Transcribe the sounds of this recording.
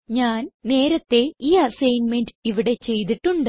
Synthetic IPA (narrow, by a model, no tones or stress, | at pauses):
ɲaːnne̞ːɾɐt̪ːe̞iːɐsɐjnmenɖɨiʋiɽe̞t͡ɕe̞jt̪̬iʈːuɳɖɨ